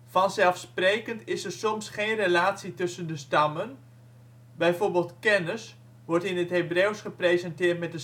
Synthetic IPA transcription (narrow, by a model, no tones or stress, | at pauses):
fɑnsɛlˠfspreːkəntɪsərsɔmsχeːnrelaːtsitɵsəndəstɑmən | bɛjforbeːlˠtkɛnəs | ʋɔrtɪnətɦebrewsχəprezɛntɪːrtmɛt̚də